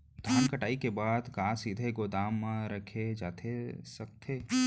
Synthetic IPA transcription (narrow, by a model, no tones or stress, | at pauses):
d̪ʱaːnkɐʈaːikebaːd̪kãːsid̪ʱeɡoːd̪aːm̃ɾɐkʰed͡ʒa̰ːt̪ʰesɐk̚t̪ʰeː